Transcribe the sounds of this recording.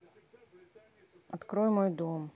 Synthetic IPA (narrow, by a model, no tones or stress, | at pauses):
ɐt̪kɾɔjmɔjd̪ɔm